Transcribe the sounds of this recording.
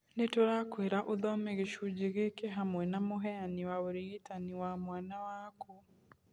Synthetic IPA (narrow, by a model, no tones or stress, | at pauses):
netoɾakweɾaʔoðɔmeɣeʃud͡ʒeɣekeɦamwɛnamoɦɛaniwaoɾiitaniwamwaːnawaku